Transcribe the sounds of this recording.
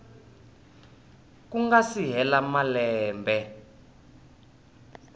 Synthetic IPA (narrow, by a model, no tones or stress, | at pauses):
kuŋɡasiɦɛlamalɛːmbɛ